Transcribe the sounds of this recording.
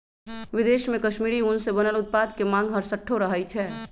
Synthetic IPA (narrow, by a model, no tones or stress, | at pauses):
ʋɪd̪eːʃmẽkɐʃmiːɾiʊnsebɐnəlʊt̪̚paːd̪kemãːŋɡɦɐɾsəʈʰːoɾɐɦəit͡ʃʰɛː